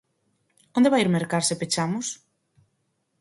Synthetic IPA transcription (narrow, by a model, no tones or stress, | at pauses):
ond̪eβajiɾmeɾkaɾsepet͡ʃamʊs